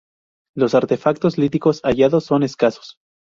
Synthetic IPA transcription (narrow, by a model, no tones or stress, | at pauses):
lo̞saɾt̪e̞fak̚t̪o̞zlit̪iko̞saʝaðosːo̞ne̞skaso̥s